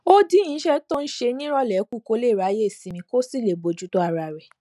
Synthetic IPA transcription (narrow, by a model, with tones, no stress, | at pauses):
o˦di˦ĩ˨˦ʃɛ˦tɔ̃˦n̩˦ʃe˧nĩ˦ɾɔ˦˨lɛ˨˦ku˦˨ko˨˦le˦˨ɾa˨˦je˦˨sĩ˨˧mĩ˧ko˦si˦˨le˨bo˨d͡ʒu˨˦to˧˦a˧˨ɾa˨ɾɛ˨